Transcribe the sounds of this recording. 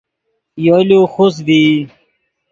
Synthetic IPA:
joːluxus̬d̪iː

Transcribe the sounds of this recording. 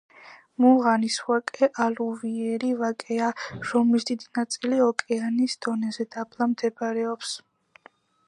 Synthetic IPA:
muʁaniswakʼɛʔaluviɛɾivakʼɛaɾɔmisd̪id̪inat̪sʼiliɔkʼɛanisd̪̥ɔnɛzɛd̪ablˠamd̪ɛbaɾɛɔps

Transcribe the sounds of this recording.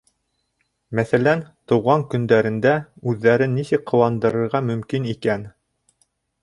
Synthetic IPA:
mæθælænt̪ŏwʁɑŋkɵ̆nd̪æɾɘ̆nd̪æʉðːæɾɘnːisɘkqŏwɑnd̪ɤ̆ɾɤ̆ɾʁɑmɵ̆mkinikæn

